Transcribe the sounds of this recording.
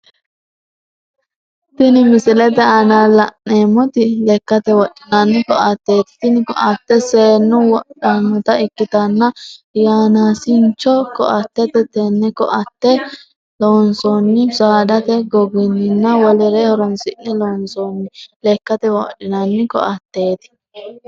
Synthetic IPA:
t̪ɪnɪmɪsɪlɛt̪ɛɐnalɐnːeːmːɔt̪ɪlɛkːɐt̪ɛwɔᶑɪnɐnːɪkɔʔɐt̪ːeːt̪ɪ̥t̪ɪnɪkɔ̰ɐt̪ːɛseːnːʊwɔᶑɐnːɔt̪ɐɪkːɪt̪ɐnːɐjaːnaːsɪnt͡ʃːɔkɔ̰ʔɐt̪ːɛt̪ɛt̪ɛnːɛkɔ̰ʔɐt̪ːɛ | loːnsɔnːɪsaːd̪ɐt̪ɛɡɔɡɪnːɪnːɐwɔlɛɾɛhɔɾɔnsɪʔɛloːnsɔnːɪlɛkːɐt̪ɛwɔᶑɪnɐnːɪkɔ̰ʔɐt̪ːe̞ːt̪ɪ̥

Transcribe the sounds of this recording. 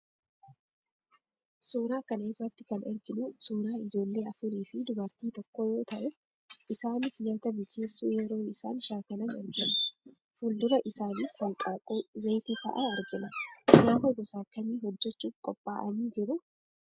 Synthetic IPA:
suːɾaːkɐnɛːrːɐt̪ːɪ̥kɐnɛɾɡɪnʊsuːɾaːɪd͡ʒo̞ːlːe̞ːɐfʊɾiːfɪd̪ʊbɐɾt̪iːt̪ɔkːo̞ːjo̞ːt̪ɐʔɛ | ʔɪsaːnɪsɲɐt̪ɐbɪlt͡ʃːeːsːṵːjɛɾo̞ːɪsa̰ːnʃaːkɐlɐnɛ̰ɾɡɪnɐ | fʊld̪ʊɾɐʔɪsaːniːshɐŋkʼaːkʼuːzɐjt̪ɪfɐ̰ʔaɐɾɡɪnɐɲaːfɔɡɔsaːkːɐmiːɦɔd͡ʒːɛt͡ʃːuːfkʼɔpʼːaːʔɐniːd͡ʒɪɾʊ

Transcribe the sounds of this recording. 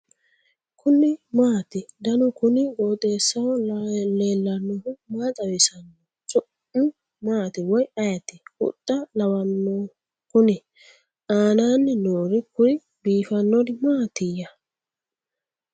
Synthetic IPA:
kʰʊnɪmaːt̪ɪd̪ɐnʊkʊnɪɡoːt̪ʼe̞ːsːɐwɔlleːlːɐnːɔhʊmaːt̪ʼɐwɪsɐnːɔ | t͡ʃʼʊʔ | ʊ | maːt̪ɪwɔjɐjɐt̪ːɪʊ̰t̪ʼːɐlɐwɐnːɔ | kʊnɪ | ʔaːnaːnːɪnoːɾɪkʊɾɪ | biːfɐnːɔd̪ɪmaːt̪ɪjɐ

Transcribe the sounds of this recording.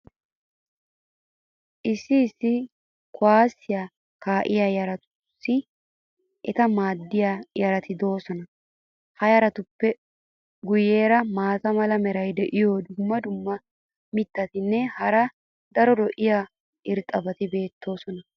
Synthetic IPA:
ʔɪsːɪːsːɪ | kʰɔaːsːɪja | kaːʔɪjaːjɐɾɐt̪ʊ̥ | sːɪ | ʔɛt̪ɐmaːd̪ːɪjajɐɾɐt̪ɪd̪o̞ːsɔnɐ | hɐjɐɾɐt̪ʊpːɛ | ɡʊjeːɾɐmaːt̪ɐmɐlɐmɛɾɐjd̪ɛʔɪjoːd̪ʊmːɐd̪ʊmːɐ | mɪt̪ːɐt̪ɪnːɛhɐɾɐ | d̪ɐɾɔd̪ɔʔɪjaː | ʔɪɾt̪ʼɐbɐt̪ɪbe̞ːt̪ʰːo̞ːsɔnɐ

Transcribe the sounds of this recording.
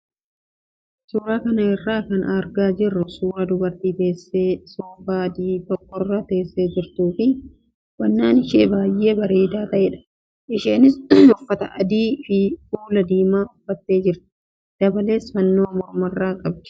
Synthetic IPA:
suːɾaːkɐnɐɪrːaːkɐnɐɾɡaːd͡ʒɪrːʊsuːɾaːd̪ʊbɐɾt̪iːt̪e̞ːsːeːsoːbaːd̪iːt̪ɔkːɔrːaːt̪e̞ːsːeːd͡ʒɪɾt̪uːfɪ | wɐnːaːnɪʃeːbaːjːe̞ːbɐɾe̞ːd̪aːt̪ɐʔeᶑɐ̥ | ʔɪʃeːnɪsʊfːɐt̪ɐ̰ʔɐd̪iːfɪfuːlɐd̪iːmaːʊfːɐt̪ːe̞ːd͡ʒɪɾt̪ɪ̥ | d̪̥ɐbɐle̞ːsfɐnːo̞ːɐmɔɾmɐrːaːkʼɐb̚d͡ʒ

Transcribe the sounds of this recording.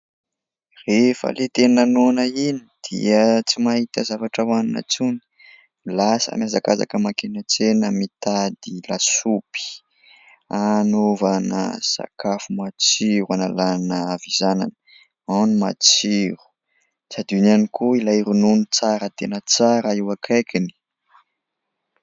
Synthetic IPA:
refə̰let̪ennanonəinid̪̥ḭət͡simahit̪əzavaʈ͡ʂəwanina̰t͡suni̥ | lasə̰mjazakaza̰kəmakenat͡senəmit̪ad̪ilasupi̥ | anovanə̰sa̰kafumat͡siɾuanalanəavizana̰nə | awnima̰t͡siɾu̥ | sad̪unianikʰuilajɾununit͡saɾət̪enət͡saɾəiwakʰajkini̥

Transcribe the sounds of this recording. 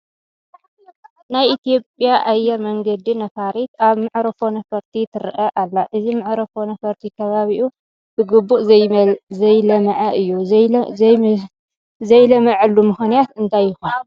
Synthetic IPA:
najʔit̪ijo̞pʼjaʔajːɛɾmɐŋɡɐd̪inɐfaɾit̪aβmɨʕɾɐfo̞nɐfɐɾt̪ʰit̪ʰɨɾʔɐʔalːaʔɨzimɨʕɾɐfonɐfɐɾt̪ʰikʰɐβaβiʔu | b̥ɨɡɨbːuʔ | zɐjlɐmɐʕɐʔɨjːu | zɐjlɐmɨʕɨlːumɨxnijat̪ɨnt̪ʰajːɨxun

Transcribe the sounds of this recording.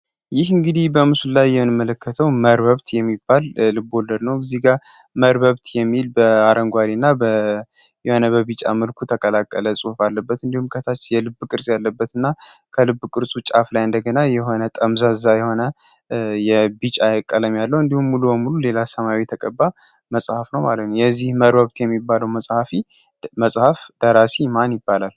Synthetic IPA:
jɪhɨŋɡɨd̪ihbəmɨsulːajːɛmnɨmələkːət̪ʰəwməɾβəβt̪jɛmːibːalːɨbːo̞ldəɾnəwɡɨziɡaɾ | məɾbəβt̪ʰjɛmːilbəaɾʔəŋɡʷaɾinːabə | jɛho̞nəbəbit͡ʃʼa̰məlkʰut̪ʰəkʼəlakʼːələsʼuhufalːəbːət̪ɨnd̪ihumkʰət̪ʰat͡ʃːjɛlɨbːkʼɨɾsʼjalːəbːət̪ɨnːakʰəlɨbːkʼɨɾsʼut͡ʃʼaflajɨnd̪əɡənajɛɦo̞nət̪ʼəmzaɨzajɛho̞nə | jɛbit͡ʃʼajɛkʼːələmjalːəwɨnd̪ihumːulubəmulule̞lasəmaawit̪ʰəkʼəbːa | məsʼhafnəwmalət̪nəwjɛzːihməɾbəβt̪jɛmːibːaləwməsʼhafi | məsʼhafd̪̥əɾasimanjɪbːalal

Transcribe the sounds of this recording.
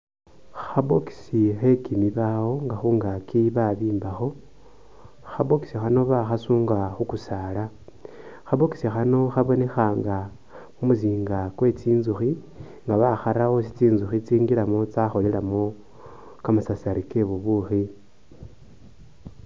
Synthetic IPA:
xaβoki̥sixe̞kimiβawo̞ŋɡaxuːŋɡakiβaβiːmbaxo̞ | xaβo̞ki̥sixano̞βaxasuːŋɡaxukusaːla | xaβoki̥sixano̞xaβo̞ne̞xaːŋɡa | mumuziːŋɡakwe̞t͡siːnzuxi | ŋɡaβaxaɾawo̞sit͡siːnzuxit͡siːŋɡilamot͡saxo̞lelamo | kamasasaɾike̞βuβuxi

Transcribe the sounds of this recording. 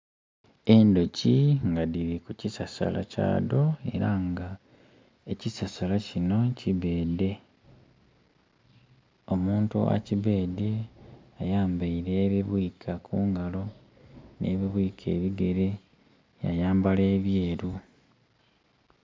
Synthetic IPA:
e̞ndo̞ciŋɡadiɾikucisasa̰la̰ca̰ːdo̞e̞̰ɾaŋɡa | e̞cisasalacino̞ciβe̞ːde̞ | o̞muːntṵa̰ciβe̞ːde̞ajaːmbaiɾe̞ːβiβwiːkʰakʰuːŋɡalo̞ | nʔe̞̰ːβiβwiːkʰe̞ːβiɡe̞ɾe̞ | ja̰jaːmbaleːβje̞ːɾu

